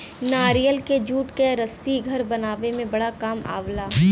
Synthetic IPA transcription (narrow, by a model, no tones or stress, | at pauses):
naːɾijəlked͡ʒuːʈkeɾɐsiɡʱɐɾbɐnaːʋemẽbɐɽakaːma̰ːʋlaː